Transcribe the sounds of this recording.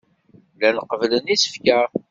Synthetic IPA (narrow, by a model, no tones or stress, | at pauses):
lænəqːəvlənisə̥fkæ